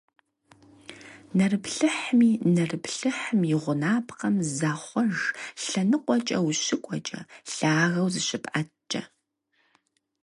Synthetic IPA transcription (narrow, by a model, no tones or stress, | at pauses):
nɐrɨpɬɨħmiːnɐrɨpɬɨħmjɪʁʷʊnaːpʰqɐmzaːχʷɔʒɬɐnɨqʷʼɔt͡ʃʼɐwɕɪkʷʼɔt͡ʃʼɐ̰ɬaːɣɐwzɨɕɪpʼʔɐt͡ʃʼɐ̰